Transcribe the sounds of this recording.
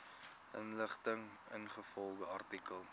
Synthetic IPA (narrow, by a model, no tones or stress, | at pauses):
ʔənləχtəŋ | ə̰nχəfɔlɡəɐrtikəlˠ